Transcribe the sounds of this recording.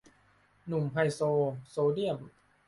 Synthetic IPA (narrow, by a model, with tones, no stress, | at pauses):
nu˨˩mpʰa˧jsoː˧soː˧di˥˩əm